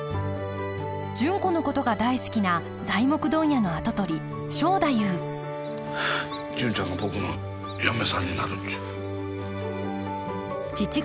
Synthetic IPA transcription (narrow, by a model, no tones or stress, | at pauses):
d͡ʑɨ̃ŋko̞no̞ko̞t̪o̞ɡad̪aisɨ̥kʲina | d͡zaimo̞kɯ̟d̪õ̞ɰ̃jano̞at̪o̞t̪o̞ɾʲi | ɕo̞ːd̪ajɯː | d͡ʑɨ̃ɲt͡ɕãŋɡabo̞kɯno̰ | jame̞sãɲ̟ːinaɾɯ̟t̪ːi̥ | t͡ɕit͡ɕi